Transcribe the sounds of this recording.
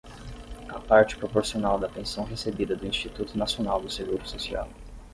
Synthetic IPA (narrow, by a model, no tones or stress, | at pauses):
ɐpaɾt͡ʃɪ̥pɾopoɾsionawd̪ɐpẽsɐ̃w̃ɦesebid̪ɐd̪ʊĩsʃt͡ʃit̪ut̪ʊnasionawd̪ʊseɡuɾʊsosia̰w